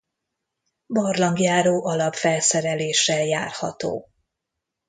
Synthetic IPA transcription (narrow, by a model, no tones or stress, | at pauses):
bɒrlɒŋɡjaːɾoːʔɒlɒpfɛlsɛɾɛleːʃːɛljaːrhɒ̰t̪o̰ː